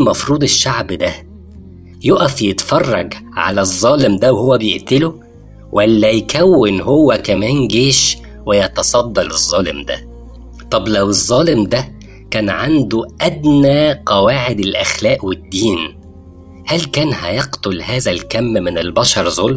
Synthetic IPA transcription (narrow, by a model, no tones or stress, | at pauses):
mɑfɾuːd̪ˤeʃːaʕbd̪æ | joʔæfjet̪fɑrˤːɑɡ | ʕa̰læzˤːɑːlɪmd̪æwhowːæbejeʔt̪elo | wʔælːæjkæwːɪnɦowːækæmæːnɡeːʃ | wɪjɑt̪ɑsˤɑd̪ˤːɑlezˤːɑːlɪ̰md̪æ̰ | t̪ˤɑblæwezˤːɑːlɪmd̪æ | kæːnʕand̪uʔæd̪næːqɑwaːʕed̪elʔæxlæːʔwɪd̪ːiːn | hælkæːnhæ̰jɑqt̪olhæːzælkæmːmɪnɪlbɑʃɑɾˤzolm